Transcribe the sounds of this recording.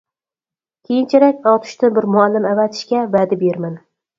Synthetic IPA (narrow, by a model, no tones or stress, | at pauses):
kʲʰejɪnt͡ʃʰaɾakʲɒt̪ʰʊ̥ʃt̪ɪbɪɾmʊalːɪmavat̪ʰɪ̥ʃkʲavad̪abeɾman